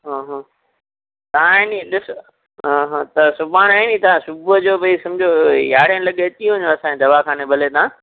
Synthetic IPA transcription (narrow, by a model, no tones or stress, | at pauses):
ɦãːɦãː | t̪ɐãniɗɪs | ɦãːɦãt̪ɐsʊbaːɽ̃aːinit̪ɐʋãsʊbʊd͡ʑoːbɐisɐ̃md͡ʑʱojaːɽjənlɐɠet͡ɕiːɦʊ̃ɲoɐsãed̪ɐʋakʰaːnebʱɐlet̪ãː